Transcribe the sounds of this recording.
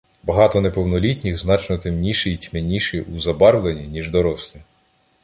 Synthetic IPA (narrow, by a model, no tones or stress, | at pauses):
bɐɦɑt̪ɔnepɔwnɔlʲitʲnʲixznɑt͡ʃnɔt̪emnʲiʃɛjtʲmenʲiʃɛuzɐbɑɾwlˠenʲinʲiʒd̪ɔɾɔslʲˠɪ